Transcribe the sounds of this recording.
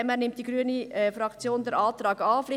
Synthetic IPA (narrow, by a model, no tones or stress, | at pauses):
ɛmæːɾnɪmt̚d̥iɡɾyəniɛfɾɑkt͡sjoːndɛɾʔɑːt̪ɾɑːɡɑːflɪ